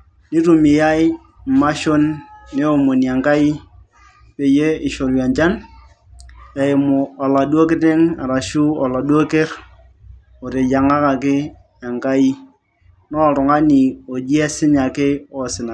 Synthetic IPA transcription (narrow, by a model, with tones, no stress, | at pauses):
ni˦ɾu˨mi˨ja˦ɪ˦˨ | ma˦ʃo˦nːe˦o˨mo˨ni˨a˨ŋka˦i˦ | pe˨je˦ɪ˨ʃo˨ɾja˨nt͡ʃa˦n | a˨ɪ˨mʊ˨a˨la˨du˦o˦kɪ˦te˦ŋa̰˨ɾa˨ʃu˦ɔ˨la˨dwo˦ke˦ɾ | o˨ɾe˨ja˨ŋa˦ka˨kɪ˦ | a˨ŋka˦i˦ | nɔ˦ɾʊ˨ŋa˦ni˨o˨d͡ʒi˦ɛ˦sɪ˦ɲa˨kɪ˦ɔ˦sɪ˨na˨